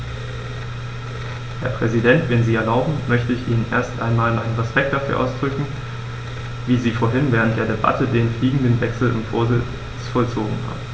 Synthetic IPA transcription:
hɛɐpʁ̥ɛzidɛntv̥ɛnziːɛɐlaʊbm̩mœçtəɪçʔiːnənʔeːɐstʔaɪnmaːlnʔaɪnənʁɛspɛk̚td̥afyːɐʔa̰ʊsd̥ʁʏkŋ̩ | viːziːfoːɐɦɪnvɛːʁ̞ənt̚d̥eːɐdeba̰tədeːnfliːɡŋ̩dənvɛksl̩ɪ̰mfo̰ːɐzɪ | t͡sfɔlt͡soːɡŋ̩va̰ːɐ

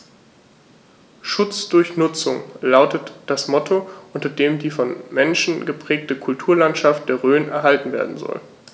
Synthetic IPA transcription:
ʃʊt͡sd̥ʊɐçnʊt͡sʊŋlaʊtətd̥asmɔtʰoʔʊntɐdeːmdiːfɔnmɛnʃn̩ɡəpʁ̥ɛːk̚təkʰʊltʰuːɐlantʃaft̚d̥eːɐʁøːnʔɛɐɦaltn̩vḛːɐdn̩zɔ̰l

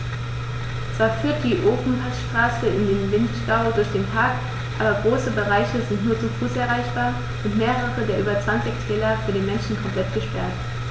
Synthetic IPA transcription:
t͡sv̥aːɐfyːɐt̚d̥iːʔoːfn̩hatʃtʁ̥aːsəɪndeːnvɪntʃtaʊdʊɐçd̥eːnpʰaɐk | ʔaːbɐɡʁoːsəbəʁaɪçəzɪntnuːɐt͡sufuːsʔɛɐʁaɪçb̥aːɐ | ʔʊntmeːʁəʁədeːɐʔyːbɐt͡sv̥ant͡sɪçtʰɛːlɐfyːɐdeːnmɛnʃn̩kʰɔmpl̥ɛtɡ̥əʃpɛɐt

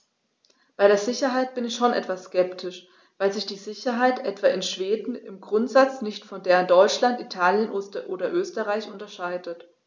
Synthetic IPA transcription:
b̥aɪɾeːɐzɪçɐɦaɪt̚b̥ɪnɪçʃoːnʔɛ̰tv̥asskɛptʰɪʃ | vaɪlzɪçd̥iːzɪçɐɦaɪtʔɛtv̥aːʔɪnʃv̥eːdn̩ɪmɡʁʊntz̥at͡snɪçtfɔndeːʁəndɔʏt͡ʃlantitʰaːljənʔoːstʔoːdɐʔøːstəʁaɪçʔʊntɐʃaɪdət

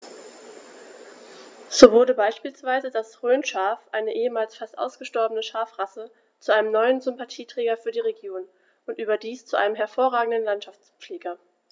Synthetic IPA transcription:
z̥oːvʊɐdəbaɪʃpiːlsv̥aɪzədasʁøːnʃaːfʔaɪnəʔeːəmaːlsfastʔa̰ʊsɡ̥əʃtɔɐbənəʃaːfʁ̥asə | t͡suʔaɪnəmnɔʏənzʏmpatʰiːtʁ̥ɛːɡɐfyːɐdiːʁeɡjoːn | ʔʊntʔyːbɐdiːst͡suʔa̰ɪnəmɦɛɐfoːɐʁaːɡŋ̩dənlantʃaft͡sp͡fleːɡɐ

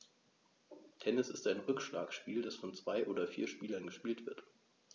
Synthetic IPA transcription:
tʰɛnɪsɪstaɪnʁʏkʃla̰ːksʃpiːldasfɔnt͡sv̥aɪʔoːdɐfḭːɐʃpiːlɐnɡəʃpiːltv̥ɪɐt

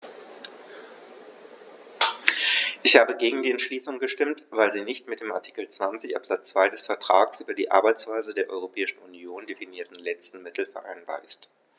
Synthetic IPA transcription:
ʔɪçhaːbəɡeːɡŋ̩diːɛntʃliːsʊŋɡəʃtɪmtv̥aɪlziːnɪçtmɪt̚d̥eːma̰ɐtʰi̥kl̩t͡sv̥ant͡sɪçʔa̰pz̥at͡st͡sv̥aɪdɛsfɛɐtʁ̥aːɡsʔyːbɐdiːʔa̰ɐbaɪt͡sv̥aɪzədeːɐʔɔʏʁopʰɛːɪʃn̩unjoːndefiniːɐtn̩lɛt͡stn̩mɪtl̩fɛɐʔa̰ɪnba̰ːɐʔɪst

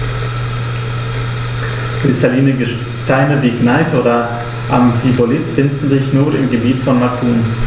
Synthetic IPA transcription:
kʁ̥ɪstʰaliːnəɡə | taɪnəviːɡnaɪsʔoːdɐ | ʔamfivolɪtfɪndn̩zɪçnuːnɪ̰mɡəbiːtfɔnmatʰuːn

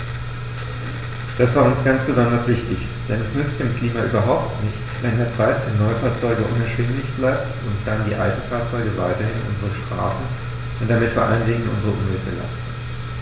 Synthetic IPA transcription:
d̥asv̥aːɐʊnsɡ̥ant͡sb̥əzɔndɐsv̥ɪçtɪç | d̥ɛnɛsnʏt͡std̥ɪːmkl̥iːmaʔyːbɐɦaʊptnɪçt͡svɛndeːɐpʁ̥aɪsv̥ɛnːɔʏfaːɐt͡sɔʏɡəʔʊnɛɐʃv̥ɛnlɪçb̥laɪp̚t | ʊntd̥andiːʔa̰ltn̩faːɐt͡sɔʏɡəvaɪtɐhɪnʔʊ̰nzəʁəʃtʁ̥a̰ːsn̩ | ʔʊntd̥amɪtfoːɐʔa̰ləndɪŋənʔʊ̰nzəʁəʔʊmvɛlt̚b̥ə̰la̰stn̩

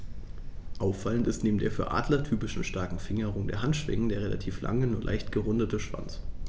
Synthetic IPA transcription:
ʔaʊfːaləntɪstneːbm̩d̥eːɐfyːɐʔa̰ːdlɐtʰyːpɪʃn̩ʃtaɐkŋ̩fɪŋəʁʊŋdeːɐɦantʃv̥ɛ̰ŋəndeːɐʁela̰tʰiːfla̰ŋənuʊɐlʔa̰ɪçtɡ̥əʁʊndətəʃv̥a̰nt͡s

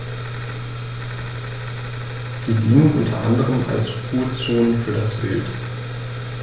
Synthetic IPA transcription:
z̥iːdiːŋənʔʊ̰ntʰɐ̰ʔa̰ndəʁəma̰lsfuːɐt͡soːnəfyːɐɾasb̥ɪ̰lt

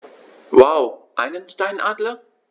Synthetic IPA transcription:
wawʔa̰ɪnə̃nstãɪ̃nʔadlə

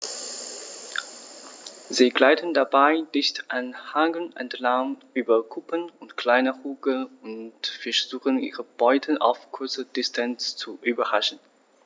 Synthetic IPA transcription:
ziːɡlaɪtn̩dabaɪdɪçtʔanhaŋɡl̩nʔɛ̰ntʰlaŋʔyːbɐkʰʊpənʊntkl̥aɪnəʁuːɡəʊntfɛɐz̥uːχənʔḭːʁəb̥ɔʏtʰəʔa̰ʊfkʰʊɐt͡səd̥ɪstʰanst͡suʔyːbɐʁaʃn̩

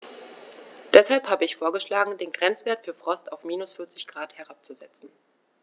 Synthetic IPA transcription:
d̥ɛshalphaːbəɪçfoːɐɡəʃlaːɡŋ̩deːnɡʁɛnt͡sv̥eːɐtfyːɐfʁ̥ɔstaʊfmiːnʊsfʏɐt͡sɪçɡ̥ʁaːthɛʁap̚t͡suzɛt͡sn̩

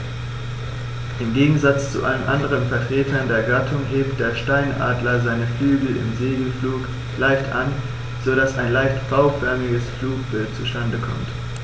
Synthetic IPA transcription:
ʔɪmɡeːɡŋ̩zat͡st͡sṵʔa̰lənʔa̰ndəʁənfɛɐtʁ̥eːtʰɐndeːɐɡatʰʊŋɦeːp̚t̚d̥eːɐʃtaɪnʔa̰ːdlɐzaɪnəflyːɡl̩ɪ̰mzeːɡl̩fluːk | laɪçtʔa̰n | z̥oɾasaɪnlaɪçtb̥aʊfɛɐmɪɡəsfluːk̚b̥ɪlt̚t͡suʃtandəkʰɔ̰mt

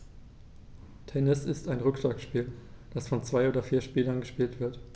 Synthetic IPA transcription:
tʰɛnɪsɪstaɪnʁʏkʃlaːkʃpiːld̥asfɔnt͡sv̥aɪoːdɐfiːɐʃpiːlɐnɡəʃpiːltv̥ɪɐt

